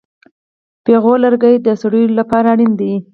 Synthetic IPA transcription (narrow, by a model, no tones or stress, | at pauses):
peɣolaɾɡəjd̪əsɽujlapɑɾaːɽind̪ai